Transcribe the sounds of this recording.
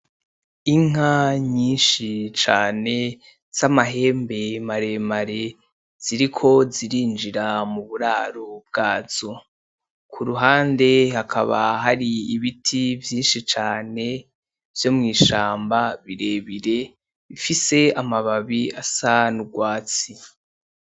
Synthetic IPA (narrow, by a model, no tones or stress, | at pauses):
iŋ̥aɲiːnʃit͡ʃaːne̞ | z̥amaɦe̞ːmbe̞maɾe̞maɾe̞ | z̥iɾikʰo̞ziɾiːnd͡ʒiɾamuβuɾaːɾob̚ɡaːz̥o | kʰuɾuɦaːnde̞hakʰa̰βa̰ɦaɾiiβitʰivjiːnʃit͡ʃaːne̞ | v̥jo̞mŋiːʃaːmbaβiɾe̞βiɾe̞ | βifise̞amaβaβiasanuɡwaːt͡si